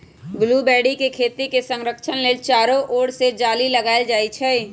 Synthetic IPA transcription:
ɡlubɛːɽikekʰeːt̪ikesə̃ŋɾəkʃənlet͡ʃaːɾõʔoːɽsed͡ʒaːliləɡaːed͡ʒaːit͡ʃʰɛ

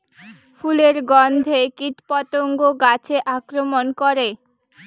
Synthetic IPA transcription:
pʰuleɾɡɔnd̪ʱekit̪pɔt̪oŋɡoɡat͡ɕʰeʔakɾomonkɔɾe

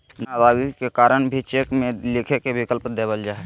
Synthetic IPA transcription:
nabaːɡikekaːɾəɳbʱit͡ʃeːkmẽlɪkʰekebɪkəlpd̪eːbəld͡ʒaːe

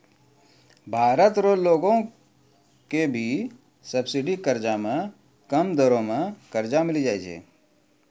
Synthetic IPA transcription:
bʱaːɾət̪ɾoːloːɡõ | kebʱi | səbsɪɖikəɾd͡ʒamẽ | kəmd̪əɾõmẽkəɾd͡ʒamɪlid͡ʒaːjt͡ʃʰḛː

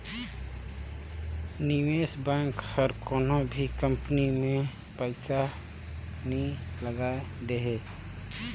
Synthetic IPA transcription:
niʋeːsbɛ̃ːŋkhəɾkoːnõbʱikə̃mpnimẽ | pəɪsa | nəĩləɡaːed̪eɦeː

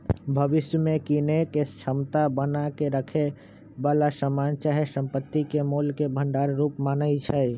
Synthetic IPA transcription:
bʱəʋɪʃjəmẽkinekest͡ʃʰəmt̪abənakeɾəkʰe | ʋaːlasəmaːnt͡ʃaɦjsə̃mpət̪ːikemoːlkebʱə̃ɳɖaːɾɾuːpmaːnəit͡ʃʰə

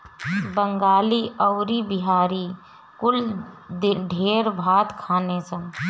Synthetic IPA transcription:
bəŋɡaːliəʊɾibɪɦaːɾi | kʊl | ɖʱeːɾbʱaːt̪kʰaːnesə̃ŋ

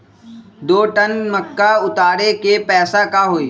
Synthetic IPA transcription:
d̪oːʈənməkːaʊt̪aːɾekepɛːsakaɦoːiː

